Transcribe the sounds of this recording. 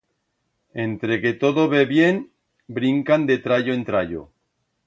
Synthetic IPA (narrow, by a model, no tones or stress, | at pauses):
e̞nt̪ɾeket̪oðoβeβjen | bɾiŋkand̪et̪ɾaʎoent̪ɾaʎo̰